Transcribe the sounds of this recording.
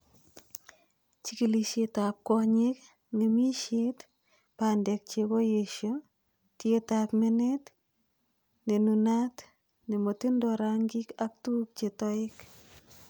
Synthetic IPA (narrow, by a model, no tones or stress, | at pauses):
t͡ʃikiliʃetap̚kɔɲek | nemiʃet | pandɛk̚t͡ʃekojeʃjo | tjetakmenet | nenunat | nemotindɔɾaŋɡikak̚tuk̚t͡ʃetɔɪk